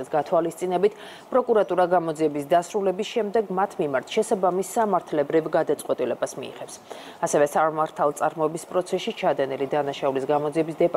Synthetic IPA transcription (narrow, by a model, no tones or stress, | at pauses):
isɡat̪ʰwalist̪sʼinɛbit̪ʰ | pʼɾɔkʼuɾat̪ʼuɾaɡamɔd̪ziɛbisd̪asɾulɛbisʃɛmd̪ɛɡmat̪ʰmimaɾt̪ʰʃɛsabamisːamaɾt̪ʰlɛbɾivɡad̪at̪sʼqʼwɛt̪ʼilɛbasmḭḭʁɛfs | asɛvɛsaɾmaɾt̪ʰalˠt̪sʼaɾmɔɛbispʼɾɔt̪sʰɛsit͡ʃʰad̪ɛnilid̪anaʃaulisɡamɔd̪ziɛbisd̪ɛpʼ